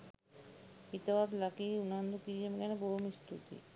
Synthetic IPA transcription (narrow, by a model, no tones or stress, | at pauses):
it̪ɐʋad̪lɐkiunand̪ukiemiɡɐneboɦumist̪ṵt̪ḭ